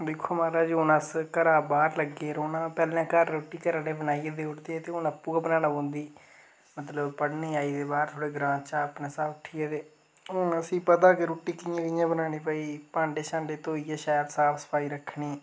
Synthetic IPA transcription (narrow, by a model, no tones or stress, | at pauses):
d̪ɪkʰːoːmaːɾaːd͡ʒonəskəɾaːbaːɾləɡːeːɾoːnaːpɛːlãːkəɾːoːʈːiːkəɾaːɽeːbənaːijaːd̪eːʊɽd̪eːt̪eːʊnəpːũːɡəpnaːnãbõːnd̪iː | mət̪ləbpəɽneːaːiːd̪eːbaːɾt̪ʰoːɽeːɡɾãːt͡ʃaːəpnãːsaːbʊʈʰiaːd̪eː | ʊnəsĩːpət̪aːkeɾoːʈːiːkɪjãːkɪjãːbənaːñeːpaːiːpãːɳɖeːʃãːɳɖeːt̪oːiːɛːʃaːjəɾsaːpʰsə̥paːiːɾəkʰːɳiː